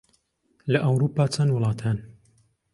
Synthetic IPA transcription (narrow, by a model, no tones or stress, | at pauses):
lɐʔɐwɾuːpːaːt͡sʰɐnd̪wʊlˠɑːt̪ʰaːn